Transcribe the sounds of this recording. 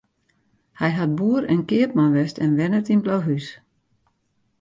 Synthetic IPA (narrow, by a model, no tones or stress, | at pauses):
hɛjɦat̚buəɾɛnkɪəp̚manʋɛstɛnʋɛnətinblowɦys